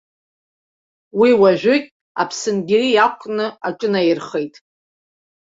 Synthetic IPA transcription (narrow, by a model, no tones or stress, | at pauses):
wiwaʒᶣʷʊkʲʼ | a̰pʰsɨnɡʲɪrijakʷʼnɨaʈ͡ʂʼɨnajrχejtʼ